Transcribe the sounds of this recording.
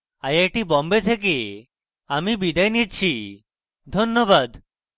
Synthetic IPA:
ajajʈibɔmbet̪ʰek̬e | amibid̪ajnit͡ɕʰi | d̪ʱonːobad̪

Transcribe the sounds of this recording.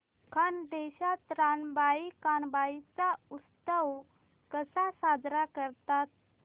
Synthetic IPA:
kʰand̪eɕat̪ɾanbaikanbait͡saust̪əw | kəsasad̪ʱɾakəɾt̪at̪̚

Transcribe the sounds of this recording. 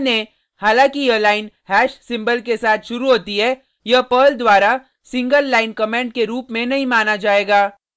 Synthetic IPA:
nẽ | haːlãːkijəlaːɪnhɛːʃsɪ̃mbəlkesaːt̪ʰʃʊɾuɦoːt̪iɦɛː | jɐpəːld̪waːɾa | sɪ̃ŋɡəlːaːɪnkɐmẽːɳɖkeɾuːpmẽnɐɦĩmaːnad͡ʒaːeːɡaː

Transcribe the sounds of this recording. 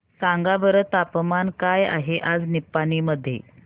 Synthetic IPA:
k̪ãŋɡaʋəɾət̪apmankaja̰ɦeʔad͡znipːaniːməd̪ʱːjḛ

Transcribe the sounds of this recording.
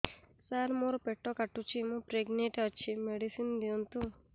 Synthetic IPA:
saɾmoɾopeʈːɔkaʈːut͡ʃʰimõpɾeɡneʈeət͡ʃʰimeɽisind̪iunt̪u

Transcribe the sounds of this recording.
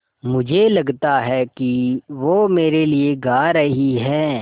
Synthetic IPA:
mʊd͡ʒʱelɐɡt̪aɦɛkiʋoːmeːɾelieɡaːɾɐɦiɦɛː

